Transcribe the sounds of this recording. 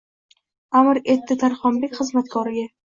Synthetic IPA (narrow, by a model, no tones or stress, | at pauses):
amɪɾe̞t̪ʰːɪt̪ʰaɾχɒmbekʲχɨzmat̪kʰɒɾɪɡʲa